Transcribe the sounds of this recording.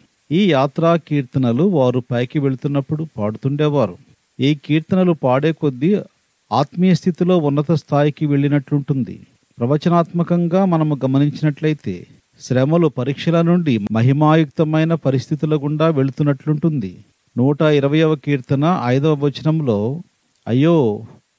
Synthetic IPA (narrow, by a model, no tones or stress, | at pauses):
iːjaːt̪ɾaːkiːɾt̪ɐnɐluʋaːɾupɐjkiʋe̞ɭut̪unːɐpːuɽupaːɽut̪uɳɖɛːʋaːɾu | iːkiːɾt̪ɐnɐlupaːɽeːkod̪ːi | aːt̪mijɐst̪ʰit̪ilo̞ːunːɐt̪ɐst̪ʰaːjikiʋe̞ɭːinɐʈluɳʈund̪ḭ | pɾɐʋɐt͡ʃɐnaːt̪mɐkɐŋɡaːmɐnɐmuɡɐmɐniɲt͡ʃinɐʈlɐjit̪e̞̰ː | ʃɾɛːmɐlupɐɾiːkʂɐlɐnuɳɖimɐɦimaːjuk̚t̪ɐmɐjnɐpɐɾist̪ʰit̪ilɐɡuɳɖaːʋe̞ɭut̪unːɐʈluɳʈund̪ḭ | nuːʈɐiɾɐʋɐjɐʋɐkiːɾt̪ɐnɐʔɐjd̪ɐʋɐt͡ʃɐnɐmlo̞ː | ɐ̰jːo̞ː